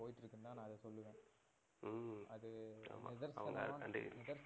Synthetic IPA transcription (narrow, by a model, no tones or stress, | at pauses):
oːjɪʈːɪɾɯkːɯnd̪aːnãːɐðɛsɔlːɯʋẽː | ɐðɯa̰ːmaɪðɐɾsɐ̰ʋɐŋɡɐɾɐɳɖɯ̰ɣ̰ɾnɪðɐɾs